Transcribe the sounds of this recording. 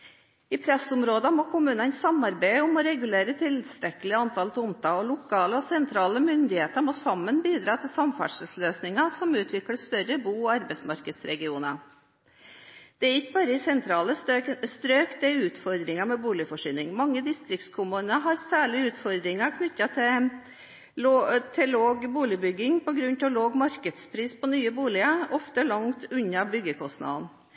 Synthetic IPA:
ɪpʰɾɛsʊmɾoːd̪ɑmoːkʰʊmʉːnɑnsɑmɑɾbæɪʊmɔɾɛɡʉleːɾət̪ʰɪləd̪st̪ɾɛkəlɪəɑnt̪ʰɑlt̪ʊmt̪ʰɑɔlʊkʰɑːləɔsɛnt̪ʰɾɑːləmʏnd̪ɪheːt̪əɾmoːsɑmːənbiːd̪ɾɑːt̪ʰɪlsɑmfæ̰ɖʂəlsløːsnɪŋɑsɔmʉːt̪ʰʋɪkləst̪œɾəbuːɔɑɾbɛɪsmɑɾkəd̪sɾɛɡɪuːnə | d̪̥ɛæɾɪkːəbɑːɾəɪsɛnt̪ʰɾɑːləst̪ɾøːkt̪ɛʉːt̪fɔɾd̪ɾɪŋɑmɛbuːlɪəfɔʂyːnɪŋmɑŋːəd̪ɪst̪ɾɪkt̪skʰʊmuːnəɦɑɾsæːɭɪʉːt̪fɔɾd̪ɾɪŋɑkʰnʏt̪ːɑt̪ʰɪ | t̪ʰɛloːɡbuːlɪbʏɡːɪŋpɔɡɾʉnt̪ʰɪɔloːɡmɑɾkəd̪spʰɾiːspɔnyːəbuːlɪəɔft̪əlɑŋt̪ʉɲːɑbʏɡːəkʰɔst̪nɑ̰d̪n

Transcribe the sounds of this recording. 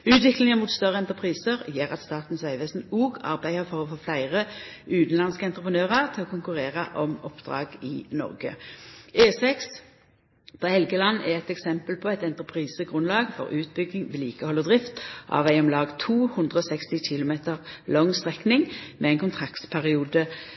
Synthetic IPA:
ʉːt̪ʋɪklɪŋəmuːt̪st̪œʁːəɛnt̪əpʰʁiːsəʁjeːʁɑt̪st̪ɑːt̪n̩sʋæɪʋeːsn̩uːɡɑ̰ʁbæɪəʁfɔʁɔfoːflæɪʁəʉːt̪n̩lɑnskəɛnt̪ʁəpʰənøːʁəʁt̪ʰɪlɔkʰʊŋkʉʁeːʁəʔɔmɔpd̪̥ʁɑ̰ːɡɪnɔ̰ʁɡə̰eːsɛks | d̪̥ɑːhɛlɡəlɑnːæʁɛt̪ɛksɛmpəlpʰɔɛt̪ɛnt̪əpʰʁiːsəɡʁʉnlɑːɡfɔ̰ʁʉːt̪̚bʏɡːɪŋʋɪːliːkəhɔlːəd̪ʁɪft̪ʔɑ̰ʋæɪɔmlɑːɡt̪ʰuːhʉnd̪ʁəɔːsɛkst̪ɪçɪlʊmeːt̪əʁlɔŋst̪ʁɛknɪŋmɛɛɪnkʊnt̪ʰʁɑkt̪pʰæʁɪuːd̪ə

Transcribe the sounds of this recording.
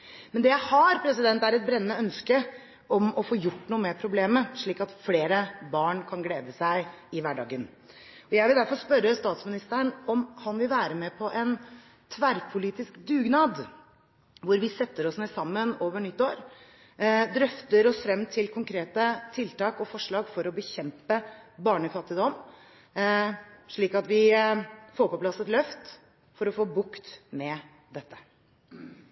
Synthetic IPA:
mɛnd̪ɛjæɪhɑɾpʰɾɛs̬ɪd̪ɛnt̪æɾɛt̪̚bɾɛnːəœnskə | ʔɔmɔfoːjʊʈːnuːəmeːpʰɾʊbleːməʂɭiːkɑt̪fleːɾəbɑːɳkʰɑnɡleːd̪əsæɪɪʋæɖɑ̰ːɡən | ɔjæɪʋɪld̪æɾfɔɾspœɾəst̪ɑːt̪smɪnɪst̪əəɳɔmhɑnʋɪlʋæːɾəmɛpʰɔʔɛn | t̪ʰʋæɾpʰʊliːt̪ɪskd̪ʉːɡnɑːd̪ | ʋʊɾʋɪsɛt̪ːəɾɔsnɛsɑmːənoːʋəɳʏt̪ːoːɾ | d̪ɾœft̪əɾɔsfɾɛmːt̪ʰɪlkʰʊŋkʰɾeːt̪ət̪ʰɪlt̪ɑːkɔfɔʂɭɑːɡfɔɾɔbəçɛmpəbɑːɳəfɑt̪ːɪd̪ɔm | ʂɭiːkɑt̪ʋɪ | foːɾpɔplɑsət̪lœft̪ | fɔɾɔfoːbʊkt̪mɛ | d̪ɛt̪ːə̥

